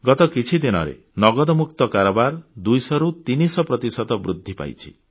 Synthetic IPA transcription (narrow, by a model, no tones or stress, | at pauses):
ɡɔt̪ɔkit͡ʃʰid̪inɔ̰ɾḛ | nɔɡɔd̪ɔmukt̪ɔkaɾɔbaɾd̪ujsɔɾut̪inisɔpɾɔt̪isɔd̪ɔbɾud̪ʱːipa̰jt͡ʃʰḭ